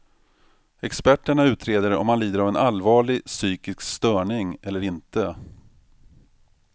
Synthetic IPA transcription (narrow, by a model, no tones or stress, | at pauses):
ɛkspæʈːəɳaʉ̟ːt̪ʰɾeːd̪əɾɔ̰mhanliːd̪əɾavɛnalvɑːɭɪsyːkɪskst̪œːɳɪŋɛlːəɾɪnt̪ə